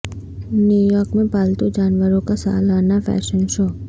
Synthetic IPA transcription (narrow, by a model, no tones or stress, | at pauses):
njuːjɔːɾkmẽpaːlt̪od͡ʒaːnʋəɾõkasa̰ːlanafɛ̰ːʃənʃoː